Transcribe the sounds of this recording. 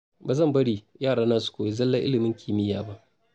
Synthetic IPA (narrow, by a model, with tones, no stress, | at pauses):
baː˨zɐ˦˨mbɐ˦ɽiː˨jaː˦˨ɽaː˦naː˦su̥˨kʷoː˨je˦zɐ˦lːɐ˦ʔɪ˦lɪ˨mɪ˦ŋkʲʰiː˨mɪ˦jaː˨ba˦ʔ